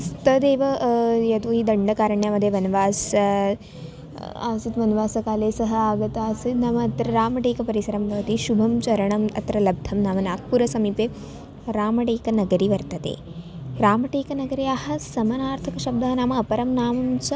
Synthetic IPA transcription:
st̪ɐd̪eːʋɐjɐt̪uːɦid̪ɐɳɖɐkaːɾɐɳjamɐd̪ʱjeʋɐnɐʋaːs | a̰ːsit̪ʋɐnʋaːsɐkaːleːsɐɦɐaːɡɐt̪aːsit̪naːmɐɐt̪ɾɐɾaːmɐʈeːkɐpɐɾisɐɾɐmbʱɐʋɐt̪iʃubʱɐmt͡ʃɐɾɐɳɐmɐ̰t̪ɾɐlɐb̚d̪ʱɐmnaːmɐnaːk̚ʰpuɾɐsɐmiːpeː | ɾaːmɐʈeːkɐnɐɡɐɾiʋɐɾt̪ɐt̪ḛːɾaːmɐʈeːkɐnɐɡɐɾiaːhɐ̆sɐmɐnaːɾt̪ʰɐkɐʃɐb̚d̪ɐɦɐnaːmɐɐpɐɾɐmnaːmɐmt͡ʃɐ

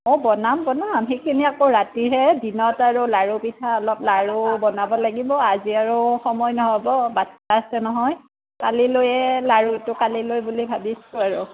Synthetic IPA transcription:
ɔbɔnambɔnamɦejkʰiniakoɹatiɹɦɛdinɔtaɹulaɹupitʰaɔlɔp̚laɹubɔnabɔlaɡibɔaziaɹuxɔmɔjnɔɦɔbɔbataasɛnɔɦɔj | kalilojɛlaɹutʊkalilojbulibʱabisʊaɹu

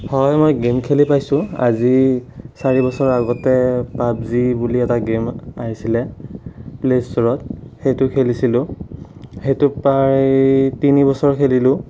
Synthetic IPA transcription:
hɔjmɔjɡemkʰelipajsʊ̃a̰zisaɹibɔsɔɹaɡɔtɛpabzibuliɛtaɡemaɦisilɛ | plestɔɹɔtxejtʊkʰelisilʊ̃ | xejtʊpaɹtinibɔsɔɹkʰelilʊ̃

